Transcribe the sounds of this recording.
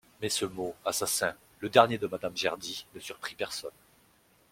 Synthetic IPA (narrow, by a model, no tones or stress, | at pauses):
mɛsəmoasasɛ̃ | ləd̪ɛʁnjed̪əmad̪amʒɛ̰ʁd̪inəsyʁpχipɛʁsɔn